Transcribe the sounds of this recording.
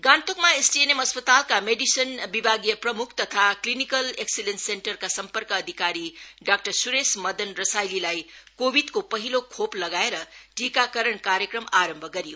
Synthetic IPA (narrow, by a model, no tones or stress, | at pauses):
ɡãnt̪okmaesʈienemʌspʌt̪alkameɖisʌnbibʱaɡijʌprʌmukʰt̪ʌt̪ʰaklinikʌleksilensenʈʌrkasʌmpʌrkʌːd̪ʱikaɾiɖak̚ʈʌrsuɾesmʌd̪ʌnrʌsajlilajkobʱid̪kopʌɦilokʰoplʌɡaeɾʌʈikakʌɾʌɳkaɾjʌkrʌmaɾʌmbʱʌɡʌɾijo